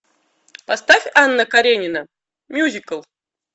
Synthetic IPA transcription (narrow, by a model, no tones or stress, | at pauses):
past̪afʲanːəkaɾʲenʲɪnə | mʲjuzʲikəlˠ